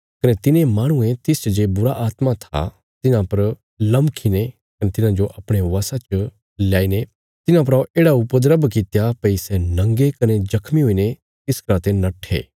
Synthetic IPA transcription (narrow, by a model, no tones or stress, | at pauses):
kɐnet̪ɪnemaːɽ̃ʊ̃ẽt̪ɪst͡ʃd͡ʒeːbʊɾaʔaːt̪mat̪ʰa̰ | t̪ɪnãpɐɾ | lɐ̃mkʰine | kɐnet̪ɪnãd͡ʒoʔɐpɽ̃eʋaːsãt͡ʃə | ljaːine | t̪ɪnãp̬ɐɾaoʔeːɽaʊpəd̪ɾəbkɪt̪japɐisɛnɐ̃ŋɡekɐned͡ʒɐkʰmiɦoine | t̪ɪskɾãːt̪enɐʈʰːḛː